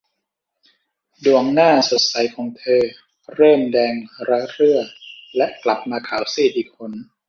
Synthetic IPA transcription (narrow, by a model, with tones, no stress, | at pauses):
du˨˩əŋnaː˥˩so˨˩t̪̚sa˨˩˦jkʰɔː˩˦ŋt̪ʰɤː˧ | ɾɤː˥˩mdɛː˧ŋɾa˦˥ɾɯ˥˩ɐlɛ˦˥ʔkla˨˩p̚maː˧kʰaː˩˦wsiː˥˩diː˧kʰo˧n